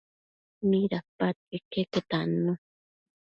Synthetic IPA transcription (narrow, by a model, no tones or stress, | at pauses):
miɾapat̪̚ekeket̪anu